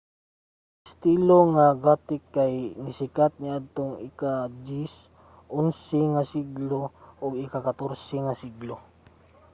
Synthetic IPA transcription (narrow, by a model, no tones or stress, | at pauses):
ɪst̪iloŋaɡaːt̪ɪkːajnɪsɪkat̪̚nɪad̪̚t̪oŋɪkad͡ʒis | ʔonsɛŋasiɡloʔʊɡɪkakat̪oɾsɛŋasiɡlo